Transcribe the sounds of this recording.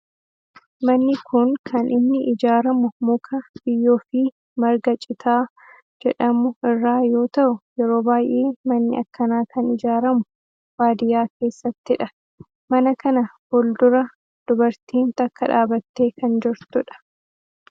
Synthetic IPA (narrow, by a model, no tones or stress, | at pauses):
mɐnːɪkʰʊŋkʰɐnʔɪnːɪʔɪd͡ʒaːɾɐmʊmʊkʰɐb̥ɪjːoːfɪ | mɐɾɡɐt͡ʃʼɪt̪ʰaː | d͡ʒɛᶑɐmʊɪrːaːjo̞ːt̪ɐʔʊjɛɾo̞ːbaːjʔeːmɐnːɪ̰ɐkːɐnaːkʰɐnɪd͡ʒaːɾɐmʊ | waːd̪ɪjaːke̞ːsːɐt̪ːɪᶑɐ | mɐnɐkɐnɐhɔld̪ʊɾɐ | d̪̥ʊbɐɾt̪iːnt̪ɐkːɐᶑaːbɐt̪ːe̞ːkɐnd͡ʒɪɾt̪ʊᶑɐ̥